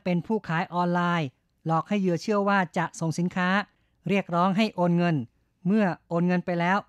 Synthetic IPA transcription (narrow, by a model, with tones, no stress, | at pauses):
pe˧npʰuː˥˩kʰaː˩˦jʔɔː˧nlaː˧j | lɔː˨˩k̚ha˥˩jɯ˧ɐt͡ɕʰɯ˥˩əwaː˥˩t͡ɕa˨˩ʔso˨˩ŋsi˩˦nkʰaː˦˥ | ɾi˥˩ək̚ɾɔː˦˥ŋɦa˥˩jʔoː˧nŋɤ˧n | mɯ˥˩ɐʔoː˧nŋɤ˧npa˧jlɛː˦˥w